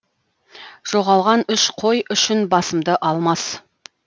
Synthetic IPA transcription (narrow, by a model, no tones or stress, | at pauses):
ʒ̥oʁɑlˠʁɑnʏʃqʰo̞jʏʃɪnbɑsəmd̪əʔɑlˠmɑs